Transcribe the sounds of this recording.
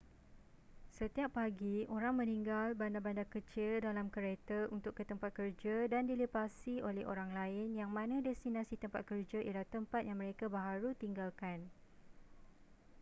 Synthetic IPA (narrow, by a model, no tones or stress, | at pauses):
sət̪iapːaɡioɾaŋmə̃niŋɡalbandabandakət͡ʃɪldalamkəɾet̪əʔunt̪ʊkːət̪əmpat̪̚kərd͡ʒadandilipasiolɛhʔo̰ɾaŋlaɪnjaŋmãnãdɛst̪inãsit̪əmpat̪̚kərd͡ʒaʔilaht̪əmpat̪̚jaŋmə̃ɾekabaɦaɾut̪iŋɡalkan